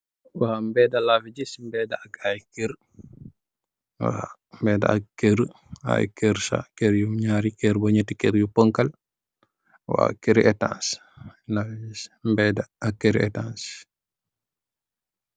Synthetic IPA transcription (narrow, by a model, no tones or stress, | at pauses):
waːmbɛdalafid͡ʒismbɛdaaɡajkeɾ | wa̰mbɛːda̰a̰kkeɾ | a̰jkɛɾsa̰keɾjuɲaːɾikeɾbaɲətikɛɾjupəŋkal | wa̰ːkeɾiʔɛtã̰ns | lafid͡ʒismbɛːdaakːeɾɛ̰tans